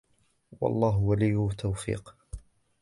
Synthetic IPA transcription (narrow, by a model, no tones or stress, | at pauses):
wɑ̰lˤːɑːɦʊwalijːʊt̪ʰːawfḭːq